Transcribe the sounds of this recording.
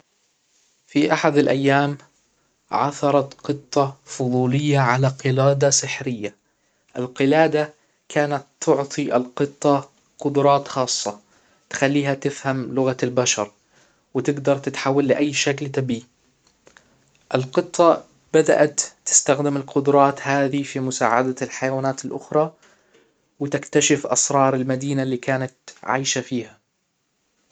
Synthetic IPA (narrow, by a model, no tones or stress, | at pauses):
fiʔaħad̪alʔajːaːm | ʕaθɑɾˤɑt̪qɨt̪ˤːɑfʊðˤuːlɪjːaʕalaqɨlaːd̪asɪħɾɪjːa | ʔɪlqɪlaːd̪a | kʰaːnat̪ːʊʕt̪ˤiʔalqɨt̪ˤːɑ | qʊd̪ʊɾˤɑːt̪xɑːsˤːɑ | t̪xalːiːhat̪ɪfhamlʊɣaalbaʃɑɾˤ | wɪt̪ɪɡd̪ɑɾˤt̪ɪt̪ħawːalːɪʔajːʃaklt̪abiː | ʔɪlqɨt̪ˤːɑ | b̥ad̪a̰ʔat̪ːɪ̥st̪axd̪ɪmɪlqʊd̪ʊɾˤɑːt̪haːðifimʊsa̰ːʕa̰d̪alħajawaːnaːt̪ɪlʔʊxɾˤɑ | wɪt̪ɪkt̪aʃɪfʔɑ̰sɾˤɑːɾˤɪlmad̪iːnalːiːkaːnat̪ʕa̰ːʃafiːha